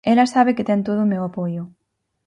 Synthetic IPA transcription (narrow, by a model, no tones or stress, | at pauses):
elasaβ̞eket̪ɛŋt̪oðʊumewapojʊ